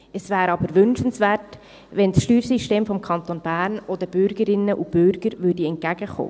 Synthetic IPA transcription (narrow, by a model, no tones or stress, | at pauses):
əsvæːɾɑbəɾʋʏnʃənsʋæːrt | ʋɛnsʃtyːɾsiʃteːmfɔmkʰɑnt̪onb̥æːɾnɔdəb̥ʏɾɡ̥əɾɪnːəʔub̥ʏɾɡ̥əɾʋʏrdiɛnt̚kæɡ̥əχo̰ː